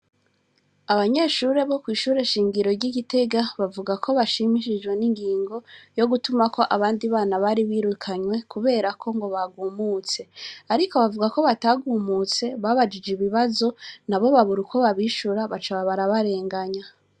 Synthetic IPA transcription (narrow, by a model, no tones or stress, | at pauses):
aβaɲe̞ːʃuːɾe̞βo̞kwiːʃuːɾe̞ʃiːŋɡiɾo̞ɾɟiɡite̞ɡaβavuɡakʰo̞βaʃimiʃid͡ʒɡwe̞niŋɡiːŋɡo̞jo̞ɡutumakʰo̞ʔaβaːndiβaːnaβaɾiβiːɾukʰaɲwe̞kuβe̞ːɾakʰo̞ŋɡo̞βaɡuːmut͡se̞aɾiko̞βavuɡako̞βataɡuːmut͡se̞βaːβad͡ʒid͡ʒeβiβazo̞naβo̞βaβuɾukʰo̞βaβiʃuɾaβat͡ʃaβaβaɾaβaɾe̞ːŋɡaɲa